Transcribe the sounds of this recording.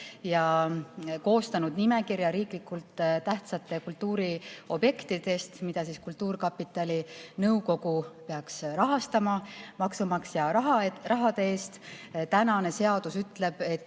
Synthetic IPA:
jɑ | ko̞ːst̪ɑnud̪nime̞kiɾjɑɾiːklikːult̪t̪æht̪sɑt̪ːˑe̞kult̪ːuːɾio̞bje̞kt̪id̪̥e̞st̪mid̪̥ɑsiːskult̪ːˑuːrkɑpːit̪ːˑɑlʲinɤuko̞ɡupe̞ɑksɾɑɦɑst̪ɑmɑmɑksumɑksjɑrɑɦɑd̪̥ee̞ːst̪t̪ænɑne̞se̞ɑd̪̥usyt̪le̞b̥e̞t̪ː

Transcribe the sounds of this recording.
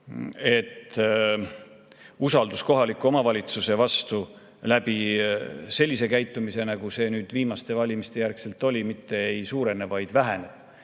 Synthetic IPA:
e̞t̪ː | usɑld̪usko̞ɦɑlikːˑuo̞mɑvɑlʲit̪suse̞vɑst̪u | læb̥i | se̞lʲːise̞kæjt̪ːˑumise̞nɑɡ̥use̞nyːd̪̥viːmɑst̪e̞vɑlʲimist̪e̞jærkse̞lt̪ːˑo̞lʲimit̪ːe̞ejsuːɾe̞nevɑjd̪̥væɦeneb̥̚

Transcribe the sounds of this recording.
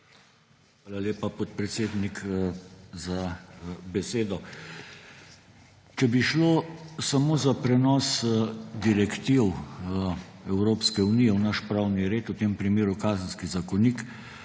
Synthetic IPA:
xʋaːlaleːpapɔt̪̚pɾɛt̪seːd̪nik | zabɛseːd̪ɔ | t͡ʃɛbiʃloːsamoːzapɾɛnɔːsd̪iɾɛkt̪iw | ɛwɾoːpskɛunijɛunaʃpɾaːwniɾeːt̪ut̪eːmpɾimeːɾukaːzən̩skizakɔnik

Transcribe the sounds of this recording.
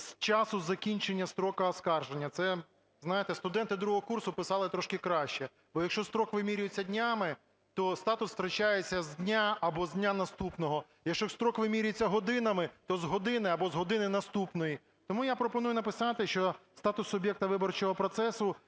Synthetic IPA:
st͡ʃɑsʊzɐkʲinʲt͡ʃenʲːɐst̪ɾɔkɐɐskɑrʒenʲːɐt̪sɛ | znɑjet̪ɛst̪ʊd̪ɛnt̪ɪd̪ɾuɦɔɦɔkursʊpɪsɑlˠɪt̪ɾɔʃkɪkɾɑʃt͡ʃɛ | bɔjɐkʃt͡ʃɔst̪ɾɔkʋɪmʲiɾʲʊjet͡sʲːɐdʲnʲamɪ | t̪ɔst̪ɑt̪ʊsːt̪ɾɐt͡ʃajet͡sʲːɐzd̪ʲnʲaɐbɔzʲdʲnʲanɐst̪upnɔɦɔ | jɐkʃt͡ʃɔst̪ɾɔkʋɪmʲiɾʲjet͡sʲːɐɦɔd̪ɪnɐmɪt̪ɔzɦɔd̪ɪnɪɐbɔzɦɔd̪ɪnɪnɐst̪upnɔji | t̪ɔmujapɾɔpɔnujʊnɐpɪsɑt̪ɪʃt͡ʃɔst̪ɑt̪ʊsʊbʲjɛk̚t̪ɐʋɪbɔrt͡ʃɔɦɔpɾɔt̪sɛsʊ

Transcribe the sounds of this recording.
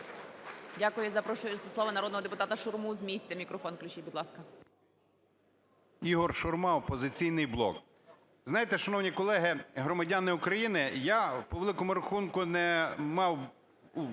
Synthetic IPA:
dʲakʊjʊzɐpɾɔʃʊjʊzɐsˠɔʋɐnɐɾɔd̪nɦɔd̪epʊt̪ɑt̪ɐʃʊrmuzmʲisʲt͡sʲɐmʲikɾɔfɔnklʲʊt͡ʃʲibʊd̪lˠɑskɐ | iɦɔrʃʊrmɑɔpɔzɪt͡sʲijnɪjblˠɔ̰k | znɑjet̪ɛʃɐnɔwnʲikɔlˠɛɦɪɦɾɔmɐdʲanɪʊkɾɐjinɪjapɔʋelˠɪkɔmʊɾɐxunkʊnɛmɑw | u

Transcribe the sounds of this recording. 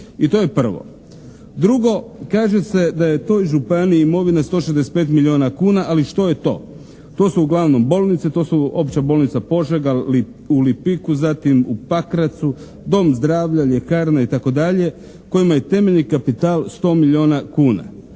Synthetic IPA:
it̪o̞je̞pr̩ʋo̞̰ | d̪ɾuɡo̞kaːʒe̞se̞d̪aje̞t̪o̞ːjʒupaniiimo̞ʋinast̪o̞ːʃezd̪ese̥t̪peːt̪milio̞nakuːnaʔaliʃt̪o̞je̞t̪o̞̰ː | t̪o̞ːsuːɡlˠaʋno̞mbo̞ːlˠnit̪set̪o̞ːsuo̞pt͡ɕabo̞ːlˠnit̪sapo̞ʒeɡa | ulipikuzat̪imupakɾat̪su | d̪o̞ːmzd̪ɾaːʋʎaʎekaːɾnait̪ako̞d̪aʎe̞ | ko̞jimaje̞t̪e̞me̞ʎnikapit̪aːlˠst̪o̞ːmiʎio̞ːnakuːna̰

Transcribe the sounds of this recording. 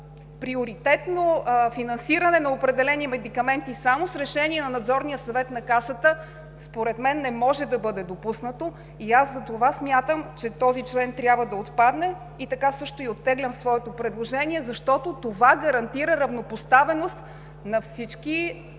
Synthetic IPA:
pɾioɾit̪ɛt̪nofinɐnsiɾənɛnɐopɾɛd̪ɛlɛnimɛd̪ikɐmɛnt̪isamosɾɛʃɛniɛnɐnɐd̪zɔɾnijəsɐvɛt̪nɐkasət̪ə | spoɾɛt̪mɛnːɛmɔʒɛd̪ɐbɤd̪ɛd̪opusnət̪o | iazːɐt̪ovasmʲjat̪əmt͡ʃɛt̪ɔzit͡ʃlɛnt̪ɾʲjabvəd̪ɐot̪pad̪nɛ | it̪ɐkasɤʃt̪oiot̪ːɛɡlʲəmsvɔɛt̪opɾɛd̪lˠoʒɛniɛzɐʃt̪ɔt̪ot̪ovaɡəɾɐnt̪iɾəɾɐvnopost̪avɛnost̪ | nɐfsit͡ʃki

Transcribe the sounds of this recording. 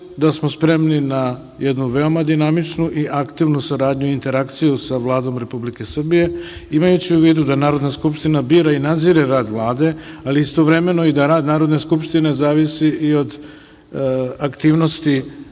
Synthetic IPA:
d̪asmospɾe̞mnina | jed̪nuʋe̞omad̪inamit͡ʃnuʔiʔakt̪iʋnusaɾaːd̪ɲuint̪e̞ɾakt̪sijusaʋlˠaːd̪o̞mɾe̞publike̞sr̩bije̞imajut͡ɕiuʋiːd̪ud̪anaːɾo̞d̪naskupʃt̪inabiːɾainad̪ziɾeɾaːd̪ʋlˠaːd̪e̞aliist̪o̞ʋɾe̞me̞noid̪aɾaːd̪naːɾo̞d̪ne̞skupʃt̪ine̞zaːʋisiio̞d̪ | akt̪iːʋno̞st̪i

